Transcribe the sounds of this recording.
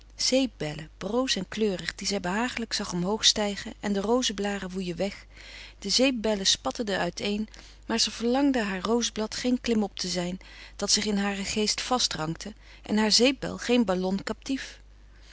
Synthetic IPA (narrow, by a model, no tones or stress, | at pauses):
z̥ej̚bɛləb̥rowtɛnkløːrəχd̥izɛjbəɦaːχələksɑχɔmɦowχstɛjχəʔɛndərowzəblaːrəʋujəʋɛχ | d̥əzej̚bɛləspɑtədəœɥtʰejn | maːɹzɛv̥əɹlɑŋdəɦaːɹrowzblɑtχejnklɪmɔp̚tʰəzɛjn | d̥ɑtsɪχɪnɦaːrəχejstfɑstrɑŋk̚tʰə | ʔɛ̰nɦaːɹzejbɛ̰lˠχejnbalɔnkɑp̚tif